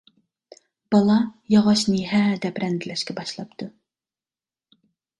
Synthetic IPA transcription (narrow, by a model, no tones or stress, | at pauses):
b̥ɑlˠɑjɑʁɑʃnɨɦæd̪ɛpɾɛnd̪ɪlɛʃkʲʰɛbɑʃlˠɑpt̪ʰu